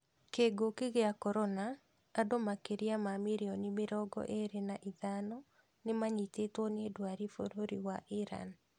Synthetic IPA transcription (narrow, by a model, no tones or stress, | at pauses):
keɡokeɣeakɔɾɔnaː | domakeɾiamamiɾiɔnimeɾɔːɡɔ̰ʔeɾenaʔiðanɔ | nemaɲitetwɔnedwaɾifo̰ɾoɾiwaʔiɾa̰n